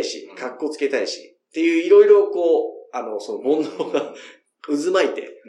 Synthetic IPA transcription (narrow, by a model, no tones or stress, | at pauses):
iɕḭkakːo̞t͡sɨ̥ke̞t̪aiɕi̥̰ | t̪ːe̞jɯ̟ːiɾo̞iɾo̞ko̞ːano̞so̞no̞bõ̞nd̪oːɡa | ɯ̟zɨmait̪e̞̰